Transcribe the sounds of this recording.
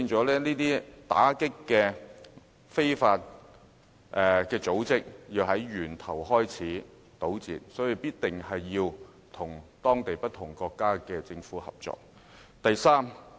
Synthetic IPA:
iː˧nt͡sɔː˨˥lɛː˥niː˥t̪iː˥t̪a̰ː˨˥kɪ˥kːɛː˧ | fe˥jfaː˧t̚ | ʔɛː˨kɛː˧t͡so˨˥wt͡sɪ˥k̚jiː˧wɦɐ˨˥jɥyː˨˩nt̪ʰɐ˨˩wɦɔː˥jt͡sʰiː˨˥ | t̪o˨˥wt͡sḭː˨t̚sɔː˨˥ji˨˧piː˥t̚t̪ɪ˨ŋhɐ˨jːiː˧w | t̪ʰʊ˨˩ŋt̪ɔː˥ŋt̪e˨jpɐ˥t̚t̪ʰʊ˨˩ŋkɔː˧kːaː˥kɛː˧t͡sɪ˧ŋfuː˨˥hɐ̰˨˩p̚t͡sɔ̰ː˧k̚ | t̪ɐ˨jsaː˥m

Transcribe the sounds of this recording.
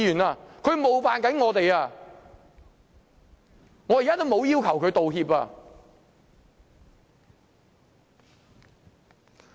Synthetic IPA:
jyː˨˩naː˧kʰɵ˨˧ɥmo˨wfaː˨nkɐ˨˥nŋɔː˨˧t̪e˨jaː˧ | ŋɔː˨˧jkaː˥t̪o˥mo˨˧wjiː˥wkʰɐ˨˩wkʰɵ˨˧ɥt̪o˨whiː˧p̚a̰ː˧

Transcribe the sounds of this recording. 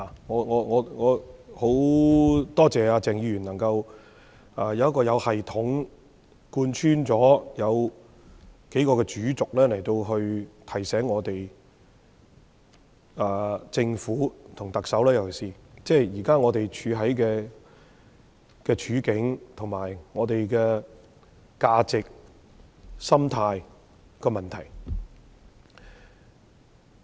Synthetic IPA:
la˨ŋɔː˨˧ŋɔː˨˧ŋɔː˨˧ŋɔː˨˧ho˨˥w | t̪ɔː˥t͡sɛː˨aː˧t͡sɛː˨ŋjiː˧ɥyː˨˩nɐ˨˩ŋkɐ˧w | aː˧jɐ˨˧wɐ˥kːɔː˧jɐ˨˧whɐ˨jt̪ʰʊ˨˥ŋ | kuː˧nt͡ʃʰyː˥nt͡sɔː˨˥jɐ˨˧w | ke˨˥jkɔː˧kɛː˧t͡ʃyː˨˥t͡sʊ˨k̚lɛː˥lɐ˨˩jt̪o˧wɦɵ˧ɥt̪ʰɐ˨˩jsɛː˨˥ŋːɔː˨˧t̪e˨j | aː˨t͡sɪ˧ŋfuː˨˥t̪ʰʊ˨˩ŋt̪ɐ˨k̚sɐ˨˥wlɛː˥jɐ˨wkʰɐ˨˩siː˨t͡sɛː˥˩jiː˨˩kaː˥ŋɔː˨˧t̪e˨jt͡ʃʰyː˨˧ɦɐ˨˥jkɛː˧ | kɛː˧t͡ʃʰyː˨˧˥kɪ˨˥ŋt̪ʰʊ˨˩ŋmaː˨˩jŋɔː˨˧t̪e˨jkɛː˧ | kaː˧t͡sɪ˨k̚ | sɐ˥mt̪ʰaː˧j | kɛː˧mɐ˨˩nt̪ʰɐ˨˩j

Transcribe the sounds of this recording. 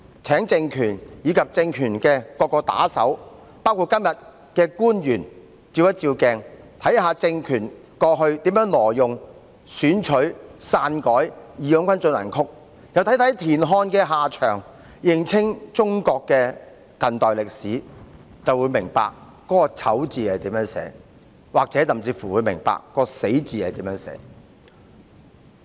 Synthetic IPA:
t͡sʰɛː˨˥ŋt͡sɪ˧ŋkʰyː˨˩njiː˨˧kʰɐ˨p̚t͡sɪ˧ŋkʰyː˨˩nkɛː˧kɔː˧kːɔː˧t̪a̰ː˨˥sɐ̰˨˥w | paː˥wkʰu˨˧t̚kːɐ˥mjɐ˨t̚ | kɛː˧kuː˥njyː˨˩n | t͡siː˧wjɐ˥t̚t͡siː˧wkɛː˧ŋ | t̪ʰɐ˨˥jɦaː˨˧t͡sɪ˧ŋkʰyː˨˩n | kɔː˧ɦɵ˧ɥt̪iː˨˥mjœː˨˥ŋlɔː˨˩jʊ˨ŋ | syː˨˥nt͡ʃʰɵ˨˥ɥsaː˧nkɔː˨˥jjiː˨jœː˨˥ŋkʰʷɐ˥nt͡ʃɵ˧nlɐ̰˨˩nkʰʊ˥k̚ | jɐ˨wt̪ʰjt̪ʰɐ˨˥jt̪ʰiː˨˩nɦɔː˧nkɛː˧ɦaː˨t͡ʃʰœː˨˩ŋ | jɪ˨˩ŋt͡sʰɪ˥ŋt͡sʊ˥ŋkɔː˧kːɛː˧ | kɐ˨nt̪ɔː˨jlɪ˨k̚siː˨˥ | t͡sɐ˨wuː˨˧jmɪ˨˩ŋpa̰ː˨k̚ | kːɔː˨˥kɔː˧t͡sʰɐ˨˥wt͡siː˨hɐ˨jt̪iː˨˥mjœː˧˥ŋsɛ̰ː˨˥ | waː˨k̚t͡sɛː˨˥sɐ˨˩mt͡siː˧fuː˨˩wu˨˧jmɪ̰˨˩ŋpa̰ː˨kːɔː˧se˨˥jt͡siː˨hɐ˨jt̪iː˨˥mjœː˨˧˥ŋsɛ̰ː˨˥

